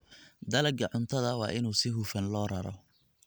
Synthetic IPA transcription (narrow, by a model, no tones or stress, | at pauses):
d̪ɐlɐɡɐʕʊnt̪ʰɐðɐwɑ̰ːʔɪnuːsɪɦufɐnlɔːrɐɾɔ̰